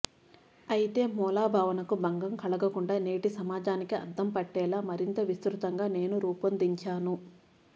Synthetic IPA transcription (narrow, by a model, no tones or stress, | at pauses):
ɐjit̪e̞ːmɔːlaːbʱaːʋɐnɐkubɐŋɡɐmkɐɭɐɡɐkuɳɖaːne̞ːʈisɐmaːd͡ʒaːnikiɐ̰d̪ʱːɐmpɐʈːɛːlaːmɐɾint̪ɐʋist̪ɾut̪ɐŋɡaːne̞ːnuɾuːpɐnd̪iɲt͡ʃaːnu